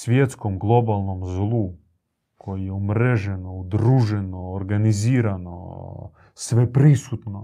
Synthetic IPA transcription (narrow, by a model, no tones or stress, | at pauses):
sʋʲjet̪skomɡlˠo̞balˠnomzlˠu | kʰo̞jijeumɾeʒenoud̪ɾuːʒenoːɾɡaniziːɾano̰ | sʋepɾisut̪no